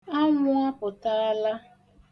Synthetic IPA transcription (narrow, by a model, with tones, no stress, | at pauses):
a˦lʊ˦a˦pʊ˨ta˦a˦la˦